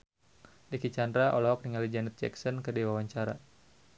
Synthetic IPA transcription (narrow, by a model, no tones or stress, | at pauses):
dikit͡ʃandɾaʔɔ̰lɔɦɔk̚niŋalid͡ʒanɛt̪̚d͡ʒɛ̰ksɔnkədiwawaɲt͡ʃaɾa̰